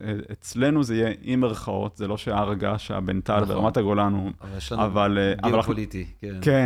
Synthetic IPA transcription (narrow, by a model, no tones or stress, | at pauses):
eet͡sle̞nuzeijeimeʁχao̞t̪zelo̞ʃeaːʁaɡaʃea̰bent̪albeʁa̰mataɡolanumjeavaleʔa̰valalit̪ike